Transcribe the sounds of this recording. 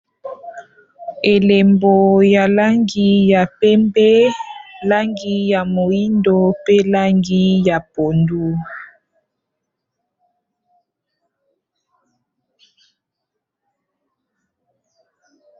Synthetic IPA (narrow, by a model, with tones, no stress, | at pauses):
e˨le˨mbo˨ja˨la˦ŋɡi˦ja˨pɛ˦mbɛ˦la˦ŋɡi˦ja˨mo˨i˦ndo˦pe˦la˦ŋɡi˦ja˨po˨ndu˦